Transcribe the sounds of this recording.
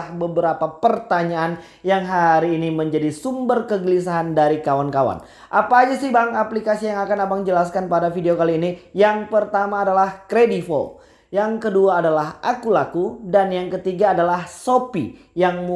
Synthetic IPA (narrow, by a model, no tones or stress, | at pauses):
hbəbəɾapapərt̪aɲaʔan | jaŋɦaɾiːniməɲd͡ʒadisumbərkəɡəlisaɦandaɾikawankawa̰n | ʔapaːd͡ʒasihbaŋaplikasijaŋakanabaŋd͡ʒəlaskanpadafideokaliːnijaŋpərt̪amaːdalahkɾedifɔ̰l | jaŋkəduaːdalaɦʔakulakudanjaŋkət̪iɡaːdalahsopḭ | jaŋm